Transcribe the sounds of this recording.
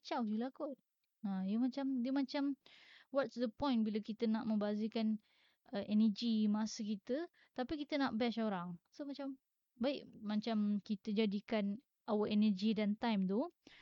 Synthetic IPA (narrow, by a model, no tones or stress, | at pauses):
t͡ʃawdilaɡɔt̪̚ | ãjəmat͡ʃamdəmat͡ʃamwɔtsdəpɔ̃j̃nbiləkit̪ənaʔmə̃mbazikan | əʔɛnəd͡ʒimasəkit̪ə | t̪apikit̪ənaʔbɛʃoɾaŋsomat͡ʃam | baɪʔmat͡ʃamkit̪əd͡ʒadikan | ʔawəʔɛnəd͡ʒidant̪ajmt̪u